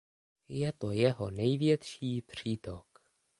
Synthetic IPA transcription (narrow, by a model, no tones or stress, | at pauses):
jɛt̪ojɛɦo̞nɛjvjɛt̪ʃiːpr̝̥iːt̪ok